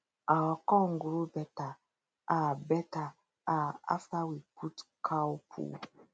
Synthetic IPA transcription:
aɔkɔŋɡuɾubɛta | abɛta | aa̰fawiputkʰaupʰṵ

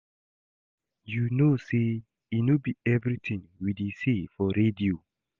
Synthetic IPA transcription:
junose | inubiɛvɹitʰĩŋwidisefɔɹedio

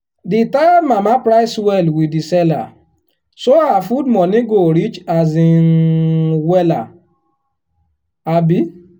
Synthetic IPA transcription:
ditajamamãpɾaɪswɛlwidisɛla̰ | soawafudmɔ̃nĩɡoɾit͡ʃazĩ | wɛla | abi

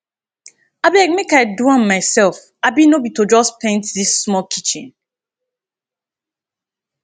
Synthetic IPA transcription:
abilakmekaɪduãnmaɪsɛlf | abinobitod͡ʒɔspʰẽntðisːmɔkʰit͡ʃḭ̃n

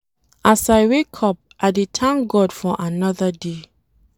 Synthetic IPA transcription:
ʔasaɪwekʰɔp̚ʔadetʰãŋɡɔdfɔʔanɔðəde

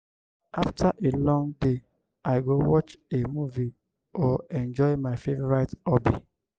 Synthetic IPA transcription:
aftʰaʔelɔ̃ŋde | aɪɡowɔt͡ʃemuvi | ɔɛ̃nd͡ʒɔjmaɪfevɾaɪtɔbi

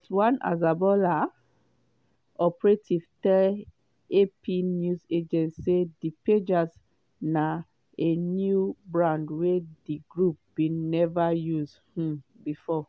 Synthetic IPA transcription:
swãnʔa̰zabɔla | ɔpɹetʰiv̥tɛ | epʰinjuzed͡ʒɛ̃nsːediped͡ʒas | na | enjubɹãndwediɡɹup̚binɛvajuz | hũbifɔ

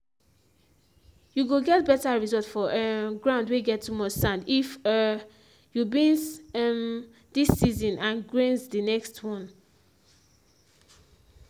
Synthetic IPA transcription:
juɡoɡɛt̚bɛtaɹizɔltfɔʔɡɹãʊ̃ndweɡɛtːumɔssãndif | jubĩnsm | disːizɔ̃nãnɡɹẽnzdinɛkstʰwɔ̃n

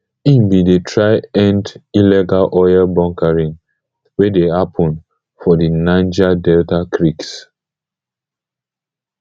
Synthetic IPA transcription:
ĩmbidetʰɹaɪɛ̃ndilɛɡalʔɔjalbɔ̃ŋkaɹĩn | wedehapʰɔ̃n | fɔdinãnd͡ʒadɛltakʰɹiks

